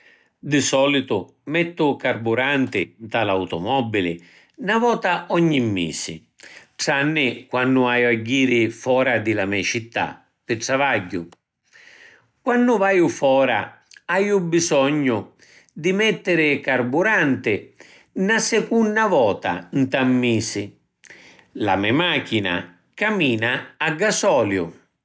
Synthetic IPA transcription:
d̪ɪsɔːlit̪ʊ | mɛt̪ːʊkarbuɾant̪ɪd̪alawt̪ɔ̰mɔbːilɪ̰ | navɔːt̪aɔɲːimːḭːsɪ̰ | ʈanːɪkwanːʊajaɟːiːɾɪfɔːɾad̪ɪlamɛt͡ʃit̪ːa̰ | pɪʈɽavaɟːʊ̰ | kwanːʊvaːjʊfɔːɾa̰ | ajʊbisɔɲːʊ | d̪ɪmɛt̪ːɪɾɪkaɾbuɾant̪ɪ | nasɛkunːavɔːt̪a̰nt̪amːiːsɪ | la̰mɛmak̟ina̰ | kamiːnaːɡːasɔːljʊ̰

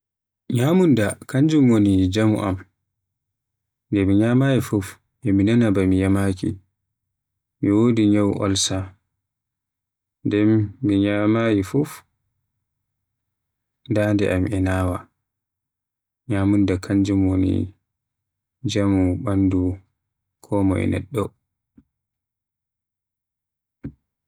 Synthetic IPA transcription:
ɲamundakʰaɲd͡ʒumwonid͡ʒamṵʔa̰m | ndɛmiɲaːmajifuf | ʔɛminanabamijamakḭ | miwodiɲawʔɔ̰lsa | ndɛmːiɲamajifuf | ndaːndɛ̰ʔamɛnaːwa̰ | ɲamundakʰaɲd͡ʒumonḭ | d͡ʒamuɓandu | kʰɔːmɔ̰ɛ̰nɛ̰ɗːɔ

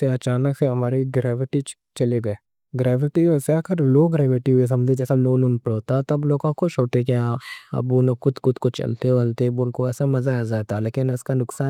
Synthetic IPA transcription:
seɐt͡ʃaːnəkseɦɐmaːɾeɡɾɛːʋɪʈi | t͡ʃɐleɡɐeː | ɡɾɛːʋɪʈieseakəɾloːɡɾɛːʋɪʈiɦʊes̬ɐmd͡ʒʱẽd͡ʒɛːsanoːnʊnpɽoːt̪at̪ɐbloːɡõkot͡ʃʰoːʈekjaɐ̰bunokʊd̪kʊd̪kot͡ʃɐ̰lt̪eɐlt̪ebʊnkoɛːsamɐzaad͡ʒaːt̪aleːkɪnɪskanʊksaː

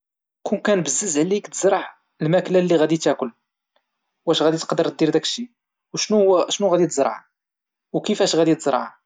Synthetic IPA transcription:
kunkænbəzːəzʕlikt̪əzɾˤɑʕ | lmæklælːiɣæd̪it̪ækʊl | wæʃɣæd̪it̪qd̪əɾt̪̚d̪iɾd̪ækʃi | wʃnuʃnuɣæd̪it̪əzɾˤɑ̰ʕ | wkəfæʃɣæd̪it̪əzɾˤɑ̰ʕ

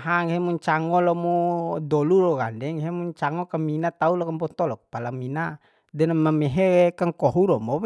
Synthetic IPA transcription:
ɦaŋɦɛmuɲt͡ʃaŋɔlɔmɔdɔluɾɔɡa̰ndɛŋɦɛmuɲt͡ʃaŋɔkaminat̪aulɔkampɔt̪ɔlɔk̚palamina | dɛnamamɛɦɛkaŋkɔɦuɾɔmɔ

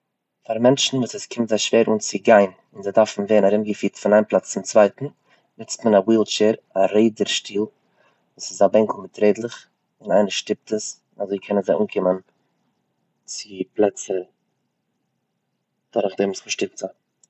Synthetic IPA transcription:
faɾmɛnt͡ʃn̩vuːsəskʰɪmtzaɪʃv̥eːɾʔuːnt͡sɪɡaɪn | ɪnzɪdaɾfn̩veːnaɾɪmɡəfiːtfɪnaɪnplˠat͡st͡sɪmt͡svaɪtn̩ | nɪt͡stmənawiːlˠt͡ʃɛːɾaɾeɪdəɾʃtiːlˠ | vuːsɪzabɛŋkl̩ˠmɪtɾeɪdlˠəχ | ɪnaɪnəʃtɪp̚təs | nazoːkʰɛnənzɪuːnkʰɪmən | t͡sɪplˠɛt͡sə | d̥aɾχdeːmsmɪʃtɪk̚za

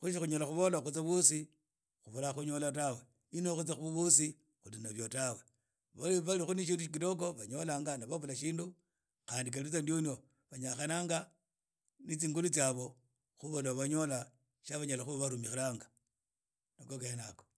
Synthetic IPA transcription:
xuʃ̬ixuɲolaxuβolaxut͡saβusi | xuβolaxuɲolatawe | inoxut͡saxuβuβusi | xulinaβjotawe | βaliβalixuniʃ̬iːnduʃikitok̬oβaɲolaːŋɡanaβaβulaʃiːndu | xaːndik̬aliut͡sandionio | βaɲaxanaːŋɡa | nit͡siːŋɡulut͡saβo̞ | xuβolaβaɲo̞la | ʃaβaɲalaxuβaβaɾumixelaːŋɡa | nokokenako

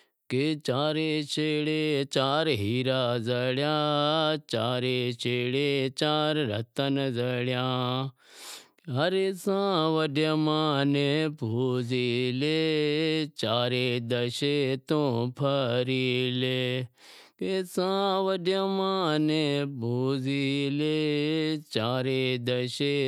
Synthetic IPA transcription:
ket͡ʃaːɾet͡ʃʰeːɽet͡ʃaːɾɦiːɾaːzɐɽjaːt͡ʃaːɾet͡ʃeːɽet͡ʃaːɾɾət̪ənzɐɽjãː | ɦɐɾesãʋəɖjamãːnebʱoːzileː | t͡ʃaːɾed̪əʃet̪õpʰəɾiːleː | kesãːʋəɖjəmãːnebʱoːzile | t͡ʃaːɾed̪əe

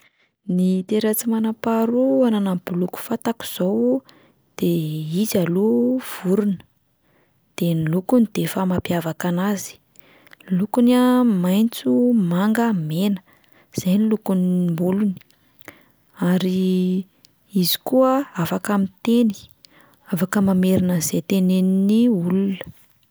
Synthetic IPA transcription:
nit̪eɾat͡simanapaɾuananambuluku̥fat̪aku̥z̥ow | d̪̥eizaluv̥uɾunə̥ | d̪̥enilukunid̪̥efamapjavakanazi̥ | lukunamajnt͡sumaŋɡəmenə̥ | z̥ajnilukunimbuluni̥ | aɾi | izi̥kuəafakamit̪eni̥ | afakəmameɾinəzet̪eneniniulunə̥

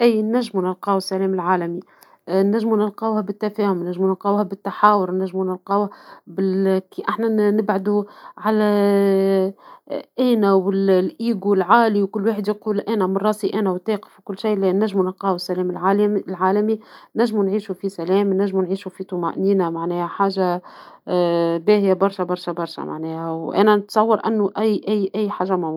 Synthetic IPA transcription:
ʔiːnæʒːmunɪlqɑːwɪsːælɛːmɪlʕaːlæmi | næʒːmunɪlqɑːwhɛbɪt̪ːæfɛːhʊmnæʒːmunɪlqɑːwhɛbɪt̪ːaħaːwʊɾnæʒːmunɪlqɑːwhæbɪlkiʔaħnænɪbʕad̪uʕalæ | ʔæːnæwɪllʔiːɡulʕaːliwkʊlːwaːħəd̪jquːlʔæːnæmɪnrˤɑːsiʔæːnæwt̪ːeːqə̥fwkʊlːʃajːlɛnæʒːmunɪqɑːwɪsːælɛːmllʕaːlæminæʒːmunʕiːʃufisælɛːmnæʒːmunʕiːʃufit̪ˤuma̰ʔniːnæmaʕnɛːhæħaːʒa | bɛːhɪjæbɑɾˤʃabɑɾˤʃæbɑɾˤʃa̰ma̰ʕnɛːhæwʔæ̰ːnænət̪sˤɑwːɑɾˤʔæ̰nːʊʔæjːʔæjːʔæjːħaːʒːæmʊmu

